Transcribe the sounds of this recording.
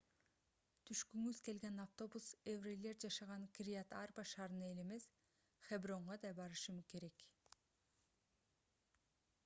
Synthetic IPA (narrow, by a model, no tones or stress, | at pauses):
t̪ʰyʃkyŋyzke̞lɡe̞naft̪o̞busevrelʲe̞ɾd͡ʒɑʃɑʁɑnkrʲiat̪arbaʃɑːɾɯnɑe̞le̞me̞s | χebro̞ɴʁɑd̪ɑjbɑɾɯʃɯmke̞ɾe̞k